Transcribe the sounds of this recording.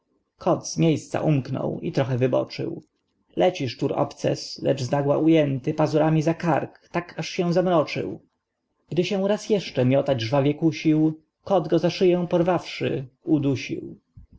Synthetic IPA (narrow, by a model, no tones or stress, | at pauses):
kʰɔd̪zmʲjejst̪sa̰ʔumknɔ̰wḭt̪ɾɔxɛvɘbɔ̰t͡ʂɘ̰w | lɛt͡ɕiʂtuɾɔ̰pt̪sɛ̰slɛ̰d͡ʐznaɡwa̰ʔujɛnt̪ɘpazuɾamʲizakaɾkt̪akʰaʂɕɛ̃zamɾɔt͡ʂɘ̰w | ɡ̥d̪ɘɕɛ̃w̃ɾasjɛʂt͡ʂɛmʲjɔt̪ad͡ʑʐvavʲjɛkuɕiw | kɔd̪ɡɔzaʂɘjɛ̃w̃pɔɾvafʂɘ̰ud̪uɕḭw